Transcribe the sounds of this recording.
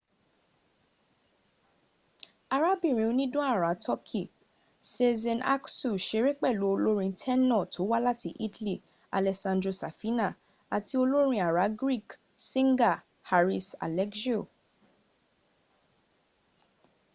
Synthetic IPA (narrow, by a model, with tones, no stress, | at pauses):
a˧ɾa˦bĩ˦˨ɾ̃ĩ˨o˨˧nĩ˦dũ˦a˦˨ɾa˨˦tʰɔ˦kʰi˦˨ | se˧zɛ̃˧˨nʔa̰˦ksu˦˨ʃe˨˧˦ɾe˦k͡pɛ˦˨lu˨˦o˧lo˦ɾ̃ĩ˧tʰɛ˦nɔ̃˦˨tʰo˨˦wa˦la˦ti˦ʔi˦tli˦˨ | a̰˨lɛ˧sã˧ndɾo˧sa˨fi˨˦na˦˨ | a˨ti˧o˧lo˦ɾ̃ĩ˧a˨ɾa˨˦ɡɾi˦˨k | sĩ˦ŋɡa˦˨ | ha˧ɾi˧sa̰˨lɛ˨˦kd͡ʒi˦o˦˨